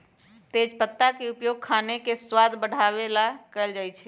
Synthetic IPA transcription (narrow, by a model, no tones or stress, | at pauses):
t̪ed͡ʒpət̪ːakeupjoɡ̚kʰanekeswad̪bəɽ̤ʱaʋelakəld͡ʒajt͡ʃʰɛ